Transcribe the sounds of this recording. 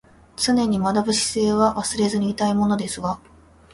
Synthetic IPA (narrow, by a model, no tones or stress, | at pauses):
t͡sɨne̞ɲ̟imad̪abɯ̟ɕi̥se̞ːβaβasɨɾe̞zɨɲ̟iːt̪aimo̞no̞d̪e̞sɨɡa